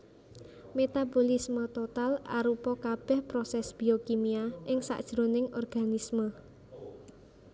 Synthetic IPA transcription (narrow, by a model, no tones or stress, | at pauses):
met̪abolismət̪ot̪ala̰ɾupɔkab̥ɛ̤hpɾosɛsb̥i̤okimiaʔɪŋsa̰ʔd̥ʒ̥ɾo̤nɪŋɔrɡ̥anismə